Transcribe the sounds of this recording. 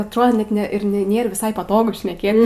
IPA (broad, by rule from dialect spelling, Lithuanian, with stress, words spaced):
ɐtˈroːdoː ˈnʲɛt ˈnʲɛ ɪr nʲɛ ˈnʲeːr ʋʲɪˈsɐɪ pɐˈtoːɡʊ ʃʲnʲɛˈkʲeːt